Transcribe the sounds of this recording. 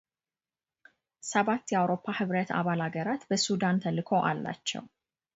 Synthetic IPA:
səβat̪ːjɛawɾo̞pʰːahɨβɾət̪ʰa̰βalaɡəɾat̪bəsud̪ant̪ʰəlːɨkʰo̞ʔalːa̰t͡ʃːɛ̰w

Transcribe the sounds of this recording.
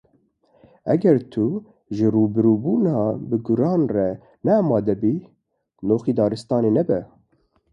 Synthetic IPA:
ɛ̰ɡɛɾt̪ʰu | ʒɨruːbɨɾuːbuːnɑːbɨɡʊɾɑːnrɛ | nɛɑːmɑːd̪ɛbiː | noːxiːd̪ɑːɾɨst̪ɑːneːnɛbɛ

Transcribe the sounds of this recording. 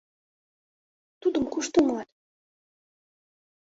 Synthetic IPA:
t̪ud̪əmkuʃt̪əmɑt̪

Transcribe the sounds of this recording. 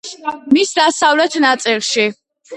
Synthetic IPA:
misd̪asavlɛt̪ʰnat̪sʼilˠʃi

